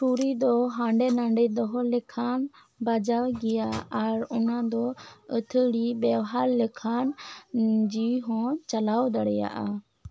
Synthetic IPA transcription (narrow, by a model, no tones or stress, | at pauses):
ʈuɾid̪ɔɦãɳɖɛnãɳɖɛd̪ɔɦɔlɛkʰan | bad͡ʒawɡɛjaːɾɔnad̪ɔət̪ʰəɽibɛwɦaɾlɛkʰan | d͡ʒiwiɦɔ̃t͡ʃalawd̪aɽɛja̰ʔa̰